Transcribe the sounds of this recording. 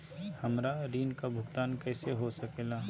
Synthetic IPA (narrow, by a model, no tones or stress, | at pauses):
hɐmɾaɾiːnkabʱʊɡt̪aːnkɛːseɦosɐkeːlaː